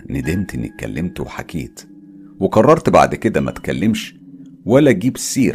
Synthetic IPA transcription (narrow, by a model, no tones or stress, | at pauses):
ned̪emt̪ʔenːḭkːæ̰lːemt̪owħakʰeːt̪ | wekɑrˤːɑɾˤt̪ba̰ʕd̪ked̪æmæ̰t̪kælːemʃ | wælːæɡiːbsːiːɾ